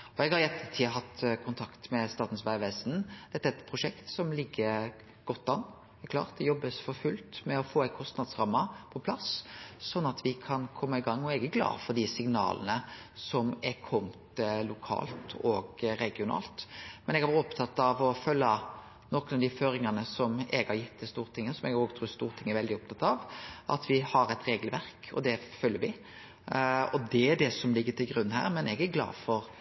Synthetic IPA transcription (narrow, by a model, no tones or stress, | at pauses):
ɔɛɡhɑɾjɛt̪ʰːət̪ʰiːɦɑt̪ːkʰʊnt̪ʰɑkt̪mɛst̪ɑːt̪n̩sʋæɪʋɛːsnd̪̥ɛt̪ːæɛt̪pʰɾʊʂɛkt̪sɔmlɪɡːəɾ | ɡ̥ɔt̪ːɑn | ɛkʰlɑ̰ːɾt̪̚d̪ɛjɔbːəsfɔɾfʉlt̪mɛɔfoːɛɪkʰɔst̪nɑd̪sɾɑmːəpʰɔpʰlɑssɔnːɑt̪ʋɪkʰɑnkʰɔmːɑɪɡɑŋːɔɛɡəɡlɑ̰ːfɔd̪ɪsɪŋnɑ̰ːlə̰nə | sɔmækʰɔmt̪lʊkʰɑ̰ːlt̪ʰoɡɾɛɡɪʊnɑ̰ːlt̪mɛnɛɡhɑʋɔpt̪ʰɑt̪ːɑʋɔfœlːə | nɔkənɑʋd̪iføːɾɪŋɑnəsɔmɛɡhɑɾjɪt̪̚ːɛst̪uːɾt̪ʰɪŋːəsɔmɛɡoːɡt̪ʰɾʉːst̪uːɾt̪ʰɪŋːæɾʋɛld̪ɪɔp̚t̪ɑt̪ːɑʋʔɑ̰t̪ʋɪhɑɾɛt̪ɾeːɡəlʋæɾkɔ̰d̪ɛføːljəɾʋɪ | ɔd̪ɛæɖɛsɔmlɪɡːət̪ɪlɡɾʉnːhæ̰ːɾmɛnɛɡæɡlɑ̰ːd̪fɔɾ